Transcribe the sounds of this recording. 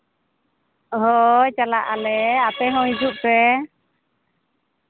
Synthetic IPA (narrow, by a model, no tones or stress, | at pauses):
ɦɔjt͡ʃalaʔalɛapɛɦɔ̃id͡ʒuʔpɛ